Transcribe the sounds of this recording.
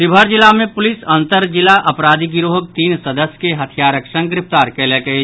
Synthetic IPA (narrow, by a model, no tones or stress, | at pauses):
ɪbʱəɾd͡ʒɪlamẽpʊlɪsɐ̃nt̪əɾd͡ʒɪlaʔɐpɾaːd̪ʱiɡɪɾoɦək̚t̪iːnsəd̪əsjkeɦɐt̪ʰjaːɾəkʃə̃ŋɡɾɪpt̪aːɾkelekəe